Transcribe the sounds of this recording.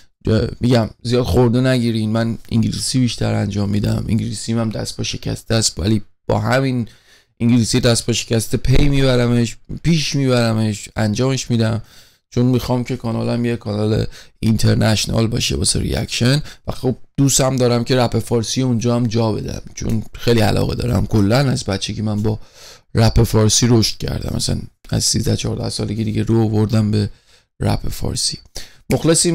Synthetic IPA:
emiɟæmzijɒːd̪xoɾd̪enæɡiːɾinmænḭŋɟilḭsiːbiːʃt̪ʰæɾænd͡ʒɒːmːiːd̪æ̰mʔḭŋɟilisimæmd̪æ̰st̪pɒʃe̞cʰæ̰st̪eæst̪væ̰lib̥ɒ̰ːɦæmin | iŋɟilisiːd̪æst̪pʰɒʃecʲæst̪epʰejmiβæɾæmeʃpiːʃmiːβæɾæmeʃænd͡ʒɒːme̞ʃmiːd̪æm | t͡ʃʰonmixɒːmcʰe̞kʰɒːnɒːlæmjekʰɒnɒlḛint̪ʰeɾnʔæʃonɒ̰ːlbɒ̰ːʃebɒ̰ːsḛɾḭæ̰kʃenvæxob̚d̪̥usæmd̪ɒːɾæmcʰe̞ɾæpʰe̞fɒːɾsijeund͡ʒɒːæmd͡ʒɒːbe̞d̪æ̰mt͡ʃʰo̰nxejliæ̰lʔɒ̰ːɣḛd̪ɒ̰ːɾæ̰mkʰolːænæzbæt̪t͡ʃʰːecʰimænbɒræpʰefɒːɾsiːɾoʃt̪̚cʰæ̰ɾd̪æ̰mʔæ̰sæ̰næ̰zsizd̪æt͡ʃʰɒːɾd̪æ̰hsɒ̰ːleɡid̪iɟeɾoːvo̞ɾd̪æmbe | ɾæ̰pʰefɒ̰ːɾsimoxlesim

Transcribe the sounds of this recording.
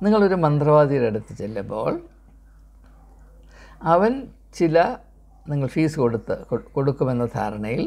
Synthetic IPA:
niŋːɐɭo̞ɾumɐnd̪rɐʋaːd̪ijleɽut̪ːi̥t͡ɕːelːɐmbo̞̰ːɭ | ɐʋɐn | t͡ɕilɐ | niŋːɐɭfiːsɨkoɽut̪ːɨkko̞ɽukːume̞nːɐd̪ʰʱa̰ːɾɐɳɐjil

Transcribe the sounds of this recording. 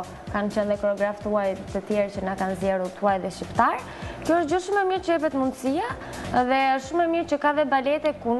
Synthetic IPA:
kant͡ɕɛnðɛkɾɔɡɾaft̪uajt̪ət̪jɛɾt͡ɕənakanzjɛɾut̪uajðɛʃcipt̪aɾ | kjɔəd͡ʑɔʃumɛmiɾt͡ɕəjɛpɛt̪mund̪əsia | ðɛəʃːumɛmiɾt͡ɕəkaðɛbalɛt̪ɛkun

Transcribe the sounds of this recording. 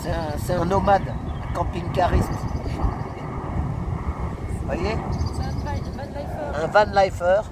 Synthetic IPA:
sɛɛ̃sɛɛ̃nɔmad̪ɛ̃kɑ̃piŋkaʁist̪ | vwaje | ɛ̃vanlajfœːʁ

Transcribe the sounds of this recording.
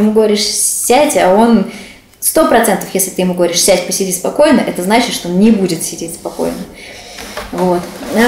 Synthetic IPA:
ɪmuɡəvɐɾʲiʂsʲætʲɐo̞n | st̪o̞pɾɐt̪sɛnt̪əfjesʲlʲɪt̪ɨjɪmuɡəvɐɾʲiʂsʲætʲpəsʲɪdʲispɐko̞jnəʔɛt̪əznat͡ɕɪt̪ʂt̪oonnʲɪbudʲɪt̪sʲɪdʲetʲspɐko̞̰jnə | vo̞t̪

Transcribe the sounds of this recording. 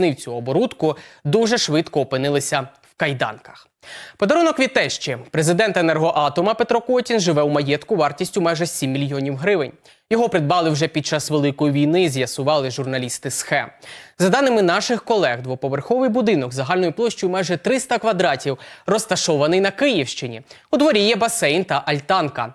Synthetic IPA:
nɪwt͡sʲuɔbɔɾut̪kʊd̪uʒɛʃʋɪt̪kɔːpɪnɪlˠɪsʲɐwkɐjd̪ɑ̰nkɐ̥x | pɔd̪ɐɾunɔkʋʲid̪̚t̪ɛʃt͡ʃɛpɾezɪd̪ɛnt̪enɛrɦɔʔɑt̪ɔmɐpet̪ɾɔkɔtʲinʒɪʋɛwmɐjɛt̪kʊʋɑrtʲisʲtʲʊmajʒɛsʲimʲːilʲjɔnʲiwɦɾɪʋɪnʲ | jɔɦɔpɾɪd̪̚bɑlˠɪwʒɛpʲid̚t͡ʃɑsʋelˠɪkɔjiʋʲijnɪzʲjɐsʊʋɑlˠɪʒʊrnɐlʲist̪ɪsxɛmzɐd̪ɑnɪmɪnɑʃɪxkɔlˠɛɣd̪ʋɔpɔʋerxɔʋɪjbud̪ɪnɔɡzɐɦɑlʲnɔjʊplˠɔʃt͡ʃɔjʊmɑjʒɛt̪ɾɪst̪ɐkʋɐd̪ɾɑtʲiwrɔst̪ɐʃɔʋɐnɪjnɐkɪjiwʃt͡ʃɪnʲḭ | ud̪ʋɔɾʲijɛbɐsɛjnt̪ɐʔɐlʲt̪ɑnkɐ

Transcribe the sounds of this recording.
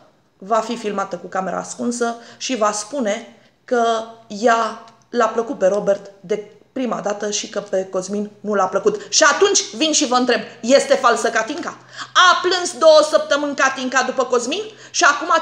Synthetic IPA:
vafifilmat̪əkukame̞ɾʔa̰skunsəʃivaspune̞ | kəja | lapləkut̪̚pe̞ɾo̞be̞rt̪d̪e̞ | pɾima̰d̪at̪əʃikəpe̞ko̞zminnulapləkut̪ʃiat̪unt͡ʃʲvinʃivəɨnt̪ɾe̞b̚je̞st̪e̞falsəkat̪iŋka | aplɨnsd̪o̞wəsəp̚t̪əmɨnʲkat̪iŋkad̪upəko̞zmin | ʃiakuma

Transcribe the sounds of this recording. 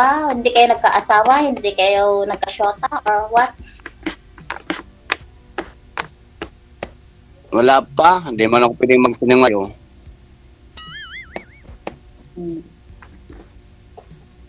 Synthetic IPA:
ahɪnd̪ikɐjonɐɡ̚kaʔasaːwahɪnd̪ɪkɐjonɐɡ̚kɐʃoːt̪aʔoɹwat̪̚ | wɐlapand̪ɛmankopwɛd̪ɪŋmɐɡ̚sɪnɪŋajo

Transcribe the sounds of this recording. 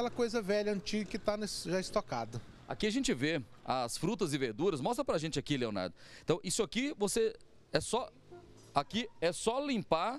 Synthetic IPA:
kɛlɐkojzɐvɛʎɐɐ̃nt͡ʃiɡɐkɪt̪anɐsʒaɪst̪okad̪ɐ | a̰kiɐʒẽnt͡ʃɪve | ɐsfɾut̪ɐzɪveɾd̪uɾɐsmɔst̪ɾɐpɾɐʒẽnt͡ʃɪakileona̰ɾd̪ʊẽt̪ɐ̃w̃ʔisʊakivose | ɛsɔ | akiɛsɔlĩmpa

